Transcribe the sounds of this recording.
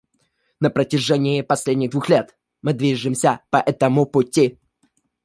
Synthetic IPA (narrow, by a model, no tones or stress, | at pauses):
nəpɾətʲɪʐɛnʲɪjɪpɐsʲlʲedʲnʲɪɣd̪vuxlʲe̞t̪ | mɨd̪vʲiʐɨmsʲəpɐʔɛt̪əmʊpʊtʲːi